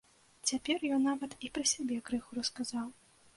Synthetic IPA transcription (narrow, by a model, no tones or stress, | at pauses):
t͡sʲapʲɛrjɔnːavɐt̪ipɾɨsʲabʲɛkɾɨxuɾɐskazaw